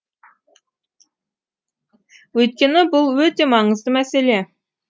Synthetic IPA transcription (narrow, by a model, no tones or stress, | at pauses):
wɵjt̪̚kʲenɪbʊlˠwɵt̪emɑŋɨzd̪ˠəmæsele